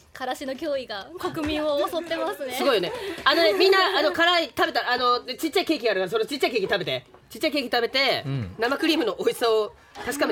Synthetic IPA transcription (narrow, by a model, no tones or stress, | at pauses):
kʰaɾaɕinokʲo̞ːiɡakakɯ̟mʲĩosot̪ːemasɨnsɨɡo̞ijo̞neano̞ne̞mʲĩnːaano̞kaɾait̪abe̞t̪aːno̞et͡ɕit͡ɕːaike̞ːk̬ʲiɡaɾɯ̟kaɾasoɾet͡ɕi̥t͡ɕːaikeːkʲi̥t̪abe̞t̪e̞t͡ɕi̥t͡ɕːaik̬e̞ːkʲi̥t̪abe̞t̪e̞namakɯ̟ɾʲiːmɯ̟no̞ʔoisao | t̪aɕi̥kame